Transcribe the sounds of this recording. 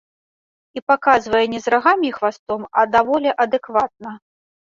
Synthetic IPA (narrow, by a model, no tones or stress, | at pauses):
ipakazvɐjɛnʲɛzɾaɣamʲixvast̪ɔmɐ̰d̪avɔlʲɛʔɐd̪ɛkvat̪̚nɐ